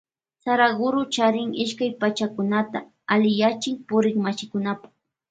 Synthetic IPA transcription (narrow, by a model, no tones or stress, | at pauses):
saɾaɡʊɾʊt͡ʃaɾɪŋɪʃkajpat͡ʃakʊnat̪a | alɪjat͡ʃɪŋpʊɾɪŋmaʃɪkʊnapḁχ